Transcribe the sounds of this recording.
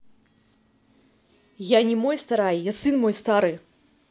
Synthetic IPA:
janʲimɔjst̪aɾajjasɨnmɔjst̪aɾɨ

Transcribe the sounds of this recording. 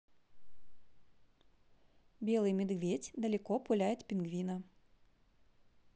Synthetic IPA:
bʲelˠɨjmʲɪd̪ɡvʲetʲd̪ɐlʲɪkɔpʊlʲæjɪt̪ʲpʲɪnɡvʲinɐ

